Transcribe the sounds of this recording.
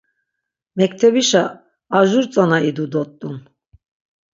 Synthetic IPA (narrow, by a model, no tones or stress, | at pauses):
mɛk̚t̪ʰɛbiʃaː | ʒuɾt͡sʼanaid̪ud̪ɔt̪ʼːun